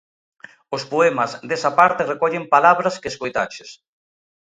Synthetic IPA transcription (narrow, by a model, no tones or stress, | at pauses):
ʊspoɛmɐzd̪esɐpaɾt̪ɪrekɔʎempalaβɾɐskeskojt̪at͡ʃɪs